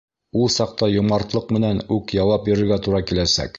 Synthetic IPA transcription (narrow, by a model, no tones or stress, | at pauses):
ulˠsɑq̚t̪ɑjŏmɑɾt̪lˠɤqmɘ̆nænʉkjɑwɑp̚bɵ̆ɾɘ̆ɾɡæt̪uɾɑkilæsæ̰k